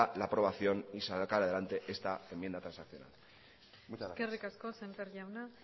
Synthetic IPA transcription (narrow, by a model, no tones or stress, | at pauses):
alapɾo̞β̞aθjo̞nisakaɾaðe̞lant̪e̞ʔe̞st̪aemjend̪at̪ɾãnsakθjona̰l | mut͡ʃkerikaskosempeɾʎawna